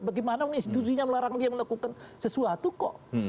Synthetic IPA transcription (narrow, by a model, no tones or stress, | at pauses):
baɡimanauŋinst̪it̪us̬iɲaməlaɾaŋdiaməlakukansəsuat̪ukɔʔ